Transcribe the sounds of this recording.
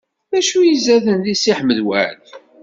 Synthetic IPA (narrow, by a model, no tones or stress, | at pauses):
ðæʃujizæðənðisiħməðwæ̰ʕl